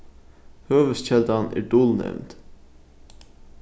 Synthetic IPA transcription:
høːʋəst͡ɕɛld̪ɑnæ̰ːɾɖʊlnɛ̰ʋnt̪

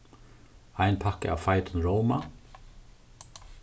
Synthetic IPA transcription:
ajnpʰakɪ̰a̰ːʋfajt̪ʊnɾɔwma

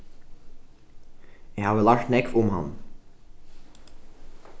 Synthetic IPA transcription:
æhɑːʋəlɑːkʈ̪nɛkfʊmhɑ̰n

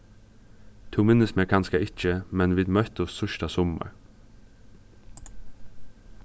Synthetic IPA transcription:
t̪ʰuːmɪnəsmɛkʰɑnskɑɪt͡ʃəmɛnʋɪd̪mœt̪ɔst̪œʃʈɑsɔmə̰ɹ

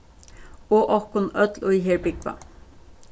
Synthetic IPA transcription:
oʔɔhkʊnœt̪lʊjɦeːɹbɪkʋa̰

